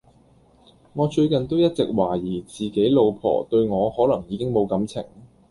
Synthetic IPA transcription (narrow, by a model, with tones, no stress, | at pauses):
ŋɔː˨˧t͡ʃɵ˧ɥkɐ˨nt̪o˥wjɐ˥t̚t͡sɪ˨k̚waː˨˩jiː˨˩t͡siː˨˩ke˨˥jlo˨˧wpʰɔ̰ː˨˩t̪ɵ˧ɥŋɔː˨˧hɔː˨˥lɐ˨˩ŋjiː˨˧kɪ˥ŋmo˨˧wkɐ˨˥mt͡sʰɪ̰˨˩ŋ